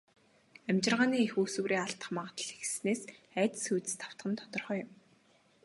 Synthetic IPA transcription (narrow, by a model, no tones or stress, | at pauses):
æmʲt͡ɕɪ̆rʁaːniːexuːsŭːɾiːaɬt̪ə̥̆χmaʁʰt̪ə̆ɮe̥xsneːsæːt̪̆sujt̪ɘ̥̆st̪ʰḁw̥t̪ɢə̆nt̪ʰɔt̪ɞ̆rχœːjʊm